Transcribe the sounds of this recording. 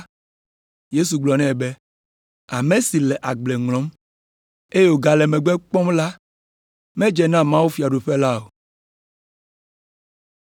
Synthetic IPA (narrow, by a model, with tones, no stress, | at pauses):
je˦su˨ɡ͡blɔ˨nɛ̃˦˨be˦ | a˨mẽ˦si˨lɛ˨ʔa˨ɡ͡blɛ˨ŋlɔ̃˦m | e˦jɛ˦wo˨ɡa˨lɛ˨mɛ̃˨ɡ͡bɛ˦k͡pɔ̃˦mla˦ | mɛ̃˦d͡ʒɛ˨nã˦mã˦wu˦fi˨a˨ɖu˨ɸɛ˦la˦o˨